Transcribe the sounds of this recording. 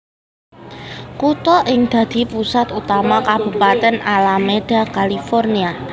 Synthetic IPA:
kut̪ɔʔɪŋd̪̥ä̤d̪̥i̤pusat̪ut̪amakab̥ṳpat̪ɛnalameɖ̥a̤kalifɔrnia

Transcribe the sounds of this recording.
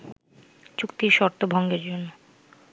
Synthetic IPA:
t͡ɕukt̪iɾʃɔɾt̪obʱɔŋɡeɾd͡ʑonːo

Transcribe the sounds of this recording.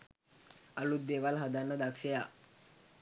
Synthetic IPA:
alud̪d̪eʋalɦad̪anːəd̪akʂeja

